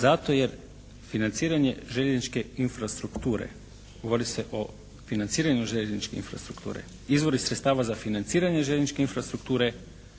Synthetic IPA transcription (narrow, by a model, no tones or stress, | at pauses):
zat̪o̞je̞ɾ | finant̪siːɾaɲe̞ʒeʎeznit͡ʃke̞infɾast̪ɾukt̪uːɾḛ | ɡoʋo̞ɾise̞ʔo̞ | finant̪siːɾaɲuʒeʎeznit͡ʃkeḭnfɾa̰st̪ɾukt̪ṵːɾḛ | izʋo̞ɾisɾet̪st̪aːʋazafinant̪siːɾaɲe̞ʒeʎeznit͡ʃke̞infɾast̪ɾukt̪uːɾe̞